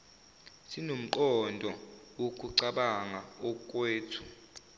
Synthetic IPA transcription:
sinom̩ǃɔndʱɔwokʼuǀaɓaŋaɔkʼweːtʰu̥

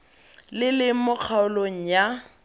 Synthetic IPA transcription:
lɪlɪmʊk͡xʰaʊloŋ̩ja

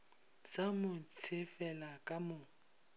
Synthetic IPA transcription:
samʊt͡sʰɪfɛlakʼamʊː

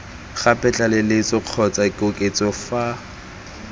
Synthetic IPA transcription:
χapʼɛt͡ɬʼalɪlɪt͡sɔq͡χʰɔt͡sʼakʼokʼet͡sʼɔfa

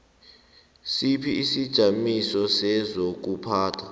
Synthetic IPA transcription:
sipʰiisid̥ʒ̥ʱamisɔsɛzok̬upʰaːtʰa

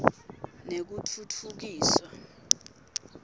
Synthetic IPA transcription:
nek̬utʰutʰuk̬iːswa

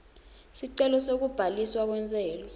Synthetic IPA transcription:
siǀɛlɔsok̬ub̥ʱaliswak̬wɛnt͡sʼɛːlɔ

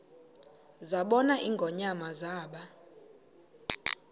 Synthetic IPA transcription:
zaɓɔnaʔiŋɡʱɔɲamazaːɓa

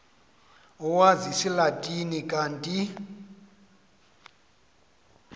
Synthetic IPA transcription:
uwazisilatʼinikʼantʼi

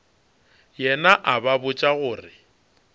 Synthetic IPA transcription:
jɛnaʔababʊt͡ʃʼaɣʊːrɪ

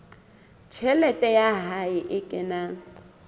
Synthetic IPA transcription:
t͡ʃʰɛlɛtʼɛjaɦaɪʔɪkʼɪna

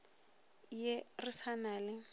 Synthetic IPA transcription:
jerɪsanaːlɪ

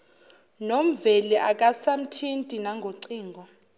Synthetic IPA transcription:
nom̩vɛliʔak̬ʼasam̩tʰintʼinaŋɡʱoǀiːŋɡʱɔ

